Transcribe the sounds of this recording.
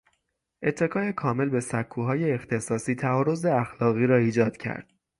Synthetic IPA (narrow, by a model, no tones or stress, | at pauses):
ʔe̞t̪ʰːe̞kʰɒːe̞kʰɒːme̞lbe̞sækʰːuːɦɒːje̞ːxt̪ʰe̞sɒːsiːt̪ʰæɒːɾo̞zeæxlɒːɣiːɾɒːiːd͡ʒɒːd̪̥cʰæ̰ɾd̪̥